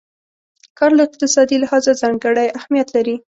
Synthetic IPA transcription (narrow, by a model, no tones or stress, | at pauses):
kɑɾlaɪq̚t̪ɪsɑd̪ilahɑzazɑŋɡəɽəjahmijat̪laɾi